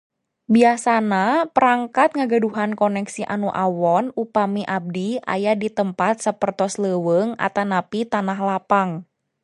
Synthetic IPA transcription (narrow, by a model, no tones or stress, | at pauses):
biasanapəɾaŋkat̪̚ŋaɡaduɦankɔnɛksiʔa̰nuʔawɔnupamiʔab̚dia̰jadit̪əmpat̪̚səpərt̪ɔsləwəŋa̰t̪anapit̪anaɦlapaŋ